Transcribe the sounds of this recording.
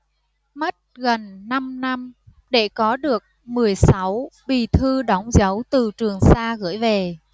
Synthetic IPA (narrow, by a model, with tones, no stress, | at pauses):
mə˦˥t̚ɣə˨˩nːa˧mna˧m | ɗe˧˩kɔ˨˦ɗɨ˨˩ək̚mɨ˨˩əjsa˨˦wɓi˨˩t̪ʰɨ˧ɗɔ˨˦wŋ͡mzə˨˦wt̪ɨ˨˩t͡ɕɨ˨˩əŋsaː˧ɣɨ̰˧˩əjve˨˩